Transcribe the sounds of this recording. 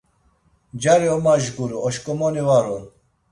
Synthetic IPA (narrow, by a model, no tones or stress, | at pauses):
d͡ʒaɾiɔmaʒɡuɾuɔʃkʼɔmɔnivaɾɔn